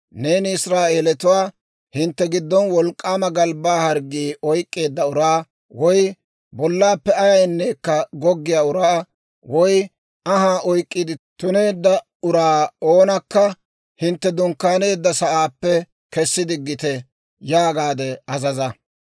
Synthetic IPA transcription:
ne̞ːnɪɪsɾaːʔe̞ːlɛt̪ʊwaː | hɪnt̪ːɛɡɪd̪ːɔnwɔlkʼːaːmɐɡɐlbaːhɐɾɡiːɔjkʼːe̞ːd̪ːɐʊɾaː | wɔj | bɔlːaːpːɛɐjɐjnːe̞ːkːɐɡɔɡːɪjaːʊɾaː | wɔj | ɐɦaːʔɔjkʼːɪd̪ɪt̪ʊne̞ːd̪ːɐ | ʊɾaːo̞ːnɐkːɐ | hɪnt̪ːɛd̪ʊŋkːaːne̞ːd̪ːɐsɐʔaːpːɛ | kɛsːɪd̪ɪɡːɪt̪ɛ | jaːɡaːd̪ɛɐzɐzɐ

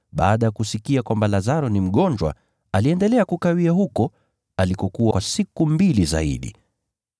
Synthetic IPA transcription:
ɓa̰ːɗajakusikiakwambalazaɾɔnim̩ɠɔɲd͡ʒwa̰ | aliɛndɛlɛakukawiaɦukɔ | alikɔkuwasikumbiliza̰ḭɗḭ

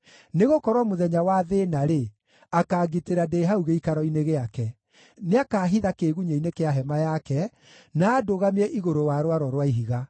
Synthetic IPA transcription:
neɣokɔɾwɔmoðɛɲawaðenaɾe | akaːɡiteɾadeɦauɣeikaɾɔineɣeakɛ | neakaɦiðakeɣuɲeinekeaɦɛmajakɛ | naːdoɣamiɛʔiɣoɾowaɾwaɾɔɾwaiɦiɣa

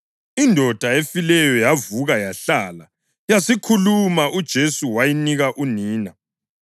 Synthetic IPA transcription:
indʱɔd̥ʱaefilɛjɔjavuɣajaɬala | jasikʰulumaʔud̥ʒ̥ʱesuwajiniɣaʔuniːna

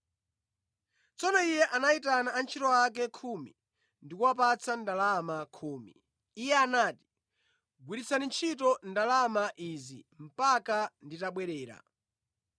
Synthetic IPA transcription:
t͡sɔnɔijɛʔanaitanaːnt͡ʃʰitɔak̬ɛkʰumḭ | ndikuwap̬at͡sʰandalamakʰuːmḭː | jɛanaːti̥ | ɡwiɾit͡sanint͡ʃʰitɔndalamaʔizḭm̩pakanditaɓwɛɾɛːɾa̰

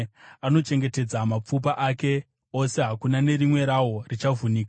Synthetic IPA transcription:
ano̞t͡ʃe̞ŋɡe̞te̞d͡zamap͡fupaʔaːke̞ | o̞se̞ɦakunane̞ɾimwe̞ɾawo̞rit͡ʃavuniːka

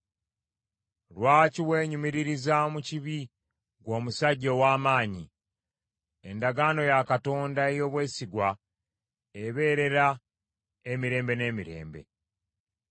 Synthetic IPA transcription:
lwaːciwe̞ːɲumiɾiɾizamuciβi | ɡwo̞ːmusaɟːo̞waːmaːɲi | e̞ndaɡaːno̞jakato̞ːndae̞jo̞ːβwe̞ːsiɡwa | eβe̞ːɾe̞ɾa | emiɾe̞ːmbe̞ne̞ːmiɾe̞̰ːmbe̞̰

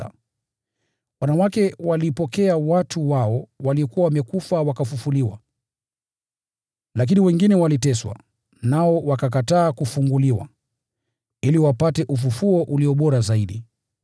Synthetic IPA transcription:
a̰ | wanawakɛwalipɔkɛawatʰuwaɔwaliɔkuwawamɛkufawakafufuliwa̰ | lak̬iniwɛŋɡinɛwalitɛswa̰ | naɔwakak̬ataːkufuŋɡuliwa̰ | iliwapatɛʔufufuɔʔuliɔɓɔɾazaiɗi

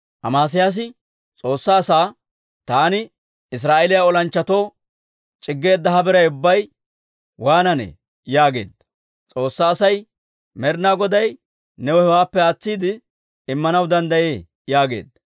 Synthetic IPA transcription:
ʔɐ̰maːs̬ɪjaːs̬ɪ | t͡sʼo̞ːsːaːsaː | t̪aːnɪ | ɪs̬ɾaːʔɛlɪjaɔlɐnt͡ʃːɐt̪o̞ː | t͡ʃʼɪɡːe̞ːd̪ːɐɦɐbɛɾɐjʊbːɐj | waːnɐnḛ | jaːɡe̞̰ːd̪ː | t͡sʼo̞ːsːaːsɐj | mɛɾnaːɡɔd̪ɐj | nɛwɔhɛwaːpːɛaːt͡sːiːd̪ɪ | ɪmːɐnɐwd̪ɐnd̪ɐjeː | jaːɡe̞̰ːd̪ɐ

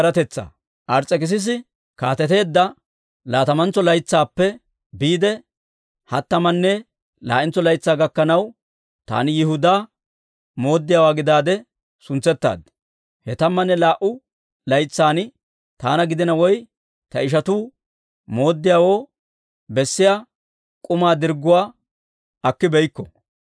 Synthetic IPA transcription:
ɾɐt̪ɛt͡sːa̰ː | ʔɐɾt͡sʼːɛkɪs̬ɪs̬ɪ | kaːt̪ɛt̪e̞ːd̪ːɐ | laːt̪ɐmɐnt͡sːɔlɐjt͡sːaːpːɛ | biːd̪ɛ | hɐt̪ːɐmɐnːɛ | la̰ːʔɪnt͡sːɔlɐjt͡sːaːɡɐkːɐnɐw | t̪a̰ːnɪjɪhʊd̪aː | mo̞ːd̪ːɪjaːwaːɡɪd̪aːd̪ɛ | sʊnt͡sːɛt̪ːa̰ːd̪ | hɛt̪ɐmːɐnːɛlaːʔʊ | lɐjt͡sːaːn | t̪a̰ːnɐɡɪd̪ɪnɐwɔj | t̪ɐɪʃ̬ɐt̪uː | mo̞ːd̪ːɪjaːwo̞ː | bɛsːɪjaː | kʼʊmaːd̪ɪɾɡːʊwaː | ɐkːɪbɛjkːɔ̥

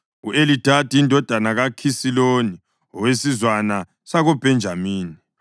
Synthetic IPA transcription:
uʔelitʰatiːndʱɔd̥ʱanaɣakʰisiloni | ɔwesizwana | saɣɔb̥ʱɛnd͡ʒʱamiːni

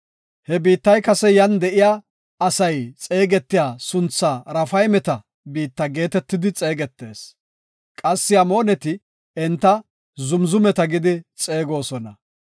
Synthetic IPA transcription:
hɛbiːt̪ːɐjkɐsɛjɐnd̪ɛʔɪjaː | ɐsɐjt͡sʼe̞ːɡɛt̪ːɪjaːsʊnt͡sːaːɾɐfɐjmɛt̪ɐ | biːt̪ːɐɡe̞ːt̪ɛt̪ːɪd̪ɪt͡sʼe̞ːɡɛt̪ːe̞ːs | kʼɐsːɪɐmoːnɛt̪ɪ | ɛnt̪ːɐ | zʊmzʊmɛt̪ɐɡɪd̪ɪt͡sʼe̞ːɡo̞ːsɔnɐ

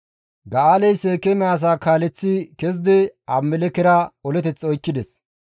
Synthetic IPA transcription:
ɡɐaːlɛjseːkɛmɛaːs̬aːkaːlɛt͡sːɪkɛzd̪ɛɐmːɛlɛkɛɾɐɔlɛt̪ɛt͡sːɔjkːɪd̪ɛs

